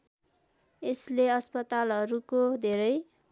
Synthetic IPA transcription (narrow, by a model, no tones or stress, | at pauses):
esleʌspʌt̪alʌɾukod̪ʱeɾʌj